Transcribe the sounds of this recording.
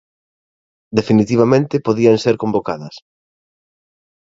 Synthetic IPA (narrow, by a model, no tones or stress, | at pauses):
d̪efinit̪iβ̞amẽnt̪ɪpoðiɐŋseɾkõmbokaðɐs